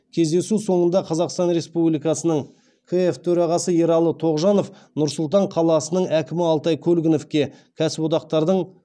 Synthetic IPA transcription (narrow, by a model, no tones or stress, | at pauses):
kʲʰe̞zd̪e̞suso̞ɴənd̪ɑqʰɑzɑqst̪ɑnɾe̞spublijkɑsənəɴ | kʰeeft̪ʰɵɾɑʁɑsəjeɾɑlˠːət̪ʰo̞ʁʒɑno̞f | nʊɾsʊlˠt̪̬ɑɴqʰɑlˠɑsənəɴækʲɪmɪɑlˠt̪ɑjkʲʰɵlɡʲɪno̞fkʲe̞kʲʰæsɪpot̪ɑq̚t̪ɑɾd̪əɴ